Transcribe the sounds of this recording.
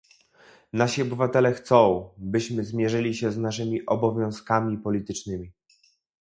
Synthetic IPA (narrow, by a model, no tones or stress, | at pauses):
naɕiɔbɘvat̪ɛlɛxt̪sɔ̃w̃bɘɕmɘzmʲjɛʐɘlʲiɕɛznaʂɘmʲiʔɔbɔvʲjɔ̃w̃skamʲipɔlʲit̪ɘt͡ʂnɘmʲi